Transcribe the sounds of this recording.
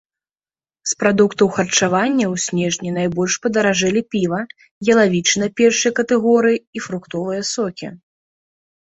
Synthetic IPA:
spɾad̪ukt̪ɐwxɐrt͡ʂavanʲːɐwsʲnʲɛʐnʲinajbɔlʲʂpɐd̪ɐɾaʐɛlʲipʲivɐ | jɐlˠavʲit͡ʂnɐpʲɛrʂɨjɐkɐt̪ɛɣɔɾɨjiːfɾukt̪ɔvɨjɐsɔkʲḭ

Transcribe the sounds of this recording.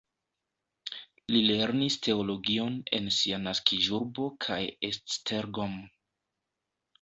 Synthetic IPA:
lile̞ɾnistʰe̞o̞lo̞ɡio̞ne̞̰nsianaskiʒuɾbo̞kʰajesstʰeɾɡom

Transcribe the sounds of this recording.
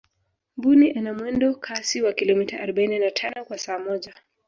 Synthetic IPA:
mbuniʔanamwɛndɔkʰasiwakilɔmitaʔaɾɔɓaininatʰanɔkwasaːmɔʄa

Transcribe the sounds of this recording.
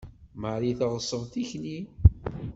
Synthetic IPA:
maʕɾiθəʁəsˤːəvˤθiçni

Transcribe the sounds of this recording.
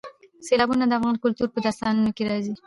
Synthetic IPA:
selɑbunad̪əafɣɑnkʊlt̪uɾpəd̪aɾst̪ɑnunokeɾɑzi

